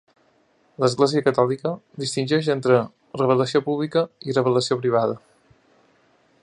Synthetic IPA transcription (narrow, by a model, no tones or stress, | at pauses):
ləzɣleziəkət̪ɔlikəd̪ist̪inʲd͡ʒɛʃ̬ent̪ɾə | rəβ̞ələsiopuβlikəirəβ̞ələsiopɾiβ̞aðə